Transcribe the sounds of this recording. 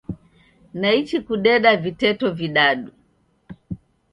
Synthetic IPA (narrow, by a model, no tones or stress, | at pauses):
nait͡ʃikuɗɛɗavitɛtɔviɗaɗu